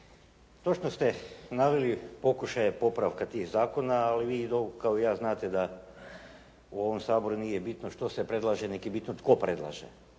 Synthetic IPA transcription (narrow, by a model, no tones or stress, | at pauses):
t̪o̞t͡ʃnost̪enaʋilipo̞kuʃajepo̞pɾaʋkat̪iːxzaːko̞naːliʋiːd̪okaoijaːznaːt̪ed̪a | uo̞ʋomsaːbo̞ɾuniːjebit̪noʃt̪o̞sepɾe̞d̪laʒenekibit̪not̪ko̞pɾe̞d̪lˠa̰ːʒḛ